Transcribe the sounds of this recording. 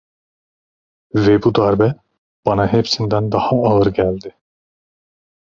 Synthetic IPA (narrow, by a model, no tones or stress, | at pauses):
vebud̪ɑɾbæ | b̥ɑnɑɦepsind̪ænd̪ɑhɑːlˠɯɾɡʲæld̪ɪ